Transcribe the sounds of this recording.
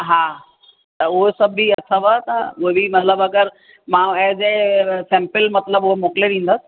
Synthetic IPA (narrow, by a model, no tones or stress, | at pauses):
ɦaː | t̪ɐʊɦesɐbʱiɐsʰəʋat̪ɐʊɦebimɐt̪ləbɐɡəɾ | mãɐɦd͡ʑeːsẽːmpɪlmɐt̪ləbʊɦemoːkɪleɾĩːn̆d̪əsɪ̥̆